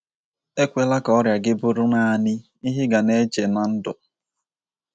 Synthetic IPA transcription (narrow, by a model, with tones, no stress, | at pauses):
e˦kʷe˦la˦kɔ˦ɾja˨ɡɪ˦bʊ˦ɾʊ˦naː˦˨nɪ˦ | i˦ɦɪ˦ɡa˨ne˦t͡ʃe˨na˨n̩˦dʊ̰˨